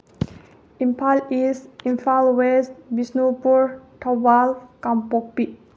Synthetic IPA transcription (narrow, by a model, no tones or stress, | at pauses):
ĩmpalisĩmfalwɛs̚bisnupuɹtʰɔbalkãmpɔk̚piʔ̚